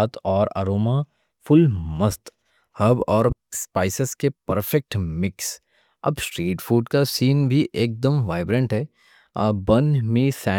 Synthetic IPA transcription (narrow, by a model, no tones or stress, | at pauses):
t̪ʰɔːɾɐ̰ɾoːma | fʊlmɐst̪ | hɐbɔːɾspaːɪsəskepɐɾfɛk̚ʈmɪks | ɐ̰bsʈɾiːʈfʰuːɖkasiːnbʱiʔeːk̚d̪əmʋaːɪbɾə̃ɳʈɦɛː | bɐnmĩsɛː